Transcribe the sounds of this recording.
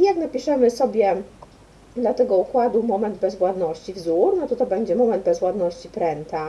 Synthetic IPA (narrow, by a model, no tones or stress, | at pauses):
ijaknapʲiʂɛmɘsɔbʲjɛ | d̪lat̪ɛɡɔukwad̪wmɔmɛnd̪bɛzvwad̪nɔɕt͡ɕivzuɾnɔt̪ɔt̪ɔbɛɲd͡ʑɛmɔmɛnd̪̚bɛzvwad̪nɔɕt͡ɕipɾɛnt̪a